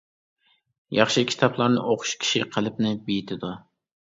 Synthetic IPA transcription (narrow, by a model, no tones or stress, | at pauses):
jɑχʃɪkʲʰi̥t̪ʰɑplˠɑɾnɨ̰ʔoqʰʊ̥ʃkʲʰi̥ʃiqʰəlˠɪpnɪbijit̪ʰɪd̪u